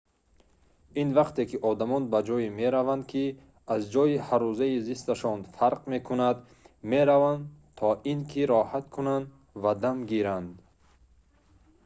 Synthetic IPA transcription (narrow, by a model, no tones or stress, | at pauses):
invaqt̪ʰe̞kʰiʔɔd̪amɔnbad͡ʒɔjime̞ɾavand̪kʰi | azd͡ʒɔjihaɾuzaizist̪aʃɔnfaɾqme̞kʰunad̪ | me̞ɾavand̪t̪ʰɔʔinkʰiɾɔhat̪kʰunand̪ | vad̪amɡiɾand̪